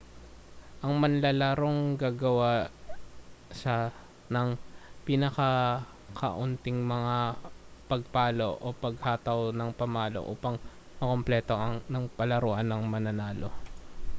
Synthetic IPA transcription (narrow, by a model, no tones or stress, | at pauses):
ʔɐŋmɐnlɐlaɾoŋɡaːɡɐwa | ʃa | nɐŋpinɐkɐ | kʰɐ̰ʔʊnt̪ɪŋmɐŋapɐɡ̚paːlo̞ʔopɐɡhaːt̪ɐwnɐŋpɐmaːlo̰ʔṵːpɐŋ | mɐko̞mplɛːt̪o̞ʔɐŋnɐŋpɐlɐɾoːʔɐnːɐŋmɐnɐnaːlo̞̰